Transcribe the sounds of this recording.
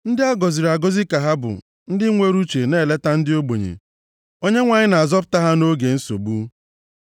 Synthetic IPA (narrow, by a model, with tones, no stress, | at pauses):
n̩˦dɪ˦a˦ɡɔ˨zi˨ɾa˨ɡɔ˦zi˦ka˨ɦa˦bʊ̰˨ | n̩˦dɪ˦ŋʷe˦ɾu˦t͡ʃe˨ne˦˨le˦ta˦n̩˦dɪ˦o˦ɡ͡bo˨ɲḛ˨ | o˦ɲe˦ŋʷa˨ɲɪ˦na˨a˨zɔ˦p̬ʊ̥˨ta˦ɦa˦no˦ɡe˨n̩˦so̰˨bu˦